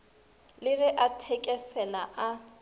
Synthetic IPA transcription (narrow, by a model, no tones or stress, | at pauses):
lɪɣɛʔatʰɛkʼɛsɛlaʔa